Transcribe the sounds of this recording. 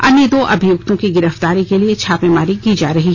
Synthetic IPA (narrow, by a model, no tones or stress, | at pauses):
ɐ̰nːid̪oːʔɐbʱɪjʊkt̪õkiɡɪɾəft̪aːɾikeliet͡ʃʰaːpẽmaːɾikiːd͡ʒaːɾɐɦi